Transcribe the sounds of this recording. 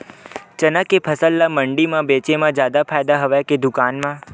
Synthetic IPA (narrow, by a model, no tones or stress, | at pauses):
t͡ʃənəkːepʰəsəlːaməɳɖimãbeːt͡ʃemãd͡ʒjaːd̪apʰaːjd̪aɦəʋeked̪ʊkaːnmã